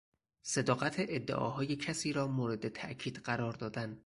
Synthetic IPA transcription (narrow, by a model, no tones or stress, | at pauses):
se̞d̪ɒːɣæt̪ʰeʔed̪ːḛʔɒ̰ːɦɒːjecʰæsiːɾɒːmoːɾe̞d̪et̪ʰæʔcʰiːd̪̥ɢæɾɒːɾd̪ɒːd̪æn